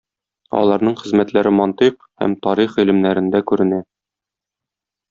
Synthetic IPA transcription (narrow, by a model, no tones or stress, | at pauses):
ɒ̰lˠɑɾnɤɴχɘ̆zmæt̪læɾɘmɒnt̪iq | hæ̰mt̪ɒɾiχilɘ̆mnæɾɘ̆nd̪ækʉɾɘ̆næ